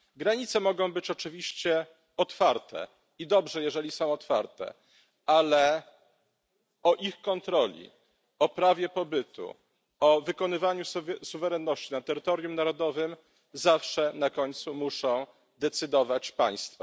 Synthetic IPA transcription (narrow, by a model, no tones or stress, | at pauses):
ɡɾaɲit̪sɛmɔɡɔ̃w̃bɘt͡ɕɔt͡ʂɘvʲiɕt͡ɕɛ | ɔt̪faɾt̪ʰɛ̰ | id̪ɔbʐɛjɛʐɛlʲisɔ̃w̃ɔt̪fa̰ɾt̪ɛ̰ | alɛ | ɔʔixkɔnt̪ɾɔlʲḭ | ɔpɾavʲjɛpɔbɘt̪ṵ | ɔvɘkɔnɘvaɲussuvɛɾɛnːɔɕt͡ɕinat̪ɛɾɘt̪ɔɾjumnaɾɔd̪ɔvɘm | zafʂɛnakɔɲt̪sumuʂɔ̃w̃ | d̪ɛt̪sɘd̪ɔvat͡ɕpa̰j̃st̪fa